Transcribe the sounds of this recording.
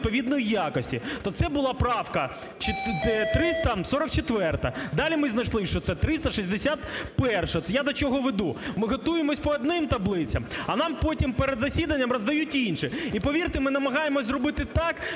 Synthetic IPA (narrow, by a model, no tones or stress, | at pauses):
t̪pɔʋʲid̪nɔjijakɔsʲtʲit̪ɔt̪sɛbʊlˠɑpɾɑwkɐ | t͡ʃɪt̪ɾɪst̪ɐsɔɾɔkt͡ʃet̪ʋɛrt̪ɐd̪ɑlʲimɪznɐjʃlˠɪʃt͡ʃɔt̪sɛt̪ɾɪst̪ɐʃizʲd̪esʲat̪pɛrʃɐjad̪ɔt͡ʃɔɦɔʋed̪umɪɦɔt̪ujemɔsʲpɔːd̪nɪmt̪ɐblˠɪt͡sʲɐmɐnɑmpotʲimpeɾed̪zɐsʲid̪ɐnʲːɐmrɔzd̪ɐjutʲinʃɛipɔʋʲirt̪ɪmɪnɐmɐɦɑjemɔzʲzrɔbɪt̪ɪt̪ɑk